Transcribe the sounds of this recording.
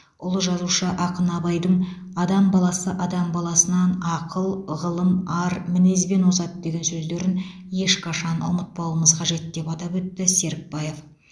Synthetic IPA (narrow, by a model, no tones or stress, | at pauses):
ʊlˠəʒɑzuʃəʔɑqənɑbɑjd̪əɴ | ɑd̪ɑmbɑlˠɑsəʔɑd̪ɑmbɑlˠɑsənɑnɑqʰəlˠʁəlˠəmɑɾmɪne̞zbe̞nwosɑt̪d̪e̞ɡʲe̞nsɵzd̪e̞ɾɪn | je̞ʃqʰɑʃɑnʊ̰mət̪̚pɑlˠəməzqʰɑʒe̞t̪d̪e̞pɑt̪ɑpwɵt̪ːɪse̞ɾk̚bɑje̞f